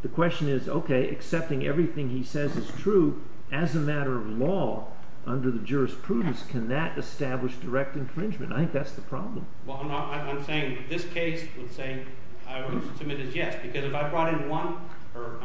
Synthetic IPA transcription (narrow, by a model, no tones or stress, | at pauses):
ðɨkʰw̥ɛst͡ʃɨ̃nɪzo̰ʊkʰeɪʔɨ̰ksɛp̚tɪ̃ŋɛ̰vɹiθɪ̃ŋisɛzɨz̥tʰɹ̥u | ʔɨzɨmæɾə˞ʌvlɔ | ʔʌ̃ndə˞ðɨd͡ʒʊɹɨspʰɹ̥udⁿn̩skʰɨ̃nðɨɾɨstæbləʃd̥ə˞ɛk̚tɨ̃nfɹɪ̃nd͡ʒmɨ̰̃nta̰ɪθɪ̃ŋk̚ðætsðəpʰɹ̥ɑblə̃mwɛlˠ | ãɪãɪ̃mseɪɪ̃ŋðɪskʰeɪswəd̥seɪ | aɪ | tʰɨmɨɾɨzjɛsb̥ɨkʰʌzɨfaɪbɹɔɾɨ̃nwʌ̃n | ə˞